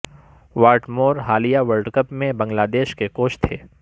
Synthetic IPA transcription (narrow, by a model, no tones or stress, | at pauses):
ʋaːɾʈmoːɾɦaːlijaʋɐɾɖkəpmẽbɐ̃ŋɡlaːd̪eːʃkekoːʃt̪ʰeː